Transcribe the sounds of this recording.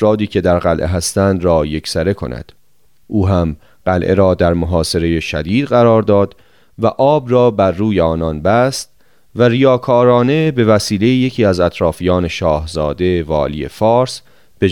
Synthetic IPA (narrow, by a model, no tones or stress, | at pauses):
fɾɒːd̪iːcʰe̞d̪æɾɣælʔeɦæst̪ænd̪ɾɒːje̞cʰsæɾe̞kʰo̞̰næ̰d̪̥ | ʔuːɦæm | ɢ̥ælʔeɾɒːd̪æɾmoɦɒːse̞ɾe̞jeʃæ̰d̪iːd̪̥ɢæɾɒːɾd̪ɒːd̪ | væʔɒːbrɒːbæɾːuːjeɒːnɒnbæst̪ | væɾijɒːkʰɒːɾɒːne̞be̞væsiːle̞jije̞cʰiːæzæt̪ʰɾɒːfijɒːne̞ʃɒːhzɒːd̪e̞vɒ̰ːlḭːḛfɒːɾs | b̥e